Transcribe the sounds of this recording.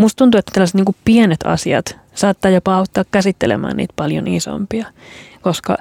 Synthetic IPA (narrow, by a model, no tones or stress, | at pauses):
must̪t̪unt̪uet̪ːæ̥t̪ælːæset̪niːŋkuppienet̪ʰɑ̰siɑ̰t̪ | sɑːt̪ːɑːjopɑɑut̪ːɑːkkæsit̪ːelḛmæ̰ːnḭːt̪pɑljo̰niso̰mpiɑ | koskɑ̰